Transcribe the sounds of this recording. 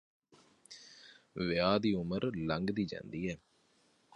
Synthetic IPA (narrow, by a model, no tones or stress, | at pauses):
ʋɪjaːd̪iːʊməɾləŋɡd̪iːd͡ʒɛ̰̃ːnd̪iːɦɛː